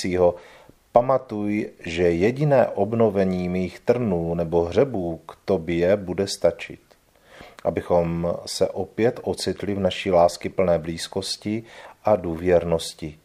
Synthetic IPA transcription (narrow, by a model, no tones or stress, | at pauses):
iːɦo̞ | pamat̪ujʒɛjɛɟɪnɛ̰ːʔo̞bno̞vɛɲiːmiːxt̪r̩nuːnɛbo̞ɦr̝ɛbuːkt̪objɛbudɛst̪at͡ʃɪ̰t̪ | ʔa̰bɪxo̞msɛʔopjɛt̪ʔo̞t͡sɪt̪lɪvnaʃiːlaːskɪpl̩nɛːbliːsko̞scɪʔaduːvjɛɾnoscɪ